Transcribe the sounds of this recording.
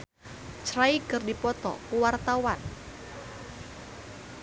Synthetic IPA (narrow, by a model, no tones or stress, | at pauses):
t͡ʃɾaikɨrdipɔt̪ɔ̰kuwart̪awan